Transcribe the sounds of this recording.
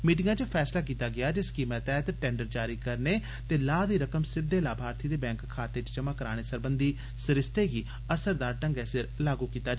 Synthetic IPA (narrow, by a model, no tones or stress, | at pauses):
miːʈɪŋɡãːt͡ʃəpʰɛːslaːk̬iːt̪aːɡɪjaːd͡ʒɪskiːmɛ̃ːt̪ɛːt̪ʈɛ̃ːɳɖəɾd͡ʒaːɾiːkəɾneː | t̪eːlaːd̪iːɾəkəmsɪd̪ːeːlaːbʱaːɾt̪ʰiːd̪eːbɛ̃ːŋkʰːaːt̪eːt͡ʃt͡ʃəmãːkəɾaːɽ̃eːsəɾbənd̪iː | səɾɪst̪eːɡiː | əsəɾd̪aːɾʈəŋɡɛːsɪɾlaːɡuːkiːt̪aːd͡ʒ